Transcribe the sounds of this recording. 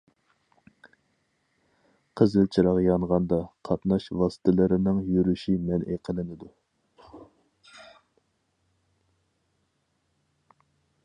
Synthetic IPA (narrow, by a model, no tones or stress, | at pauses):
qʰəzɪlt͡ʃʰiɾɑʁjɑɴʁɑnd̪ɑqʰɑt̪nɑʃvɑsɨ̥t̪ʰɪlˠɨɾɪnɪŋjyɾyʃimɛnʔeqʰəlˠɪnɪd̪u